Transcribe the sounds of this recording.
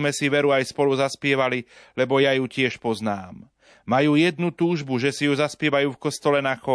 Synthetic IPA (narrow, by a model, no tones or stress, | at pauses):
mɛsiʋɛɾuajspɔluzaspɪɛʋalilɛbɔjajucɪɛʃpɔznaːmː | ajuːjɛd̪nut̪uːʒbuʒɛsijuzaspɪɛʋajuːfkɔst̪ɔlɛnaxɔ